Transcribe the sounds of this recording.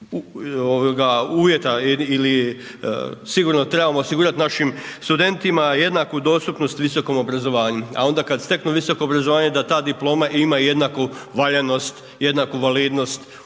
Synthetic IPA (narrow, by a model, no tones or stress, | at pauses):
uoʋoɡauːʋje̞t̪aiːli | siɡuɾnot̪ɾe̞bamo̞osiɡuɾat̪naʃimst̪ud̪e̞nt̪imajed̪nakud̪o̞ːst̪upno̞st̪ʋiso̞ko̞mo̞bɾazoʋaːɲua̰o̞nd̪akad̪st̪e̞knuʋiso̞ko̞ːbɾazoʋaːɲe̞d̪at̪aːd̪iplˠo̞ːmaʔimaje̞d̪nakuʋaʎeno̞st̪ | je̞d̪nakuʋaliːd̪no̞st̪